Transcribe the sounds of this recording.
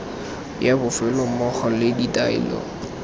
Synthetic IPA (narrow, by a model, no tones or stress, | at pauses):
jabʊfɛlɔmɔχɔlɪditʼaḭlɔ̰